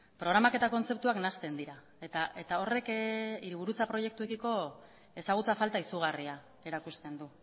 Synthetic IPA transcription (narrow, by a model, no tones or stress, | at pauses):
pɾo̞ɣɾamake̞t̪ako̞nt͡se̞pt̪uaknast̪e̞nd̪iɾa | et̪ae̞t̪ao̞re̞kiɾiβ̞uɾut͡sapɾo̞je̞k̚t̪uekiko̞ | e̞saɣ̞ut͡safalt̪aisuɣ̞aria | e̞ɾakust̪e̞nd̪u